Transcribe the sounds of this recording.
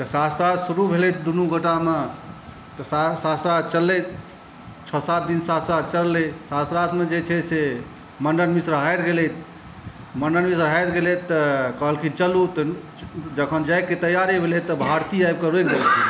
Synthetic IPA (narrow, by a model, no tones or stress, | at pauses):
t̪əsast̪ɾat̪suɾubʱelɛt̪ʰd̪unuɡəʈame | t̪ɔsasast̪ɾat̪t͡ʃəlːɛt̪̚ʰ | t͡ʃʰəsat̪̚d̪insast̪ɾat̪t͡ʃəlːɛsast̪ɾat̪med͡ʒet͡ʃʰɛse | məɳɖənmisɾəɦajt̪ɡelɛt̪̚ʰ | məɳɖənmisɾəɦat̪ɡelɛt̪ːəkəɦəlkit͡ʃəlut̪ | d͡ʒəkʰənd͡ʒakːet̪əjaɾebʱelɛt̪ːɔbʱaɾt̪iajb̚kəɾuekd̪ei